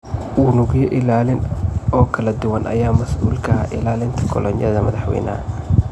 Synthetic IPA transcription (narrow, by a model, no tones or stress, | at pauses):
wʊːnʊɣjɔʔɪlaːlɪnɔːkʰɐlɐd̪ʊwɐnʔɐ̰jaːmɐsuːlkʰɐɐ̰ʔɪlaːlɪnt̪ʰɐ̥kʰɔlɔnjɐðɐmɐðɑħwɛ̰ːnɐ̰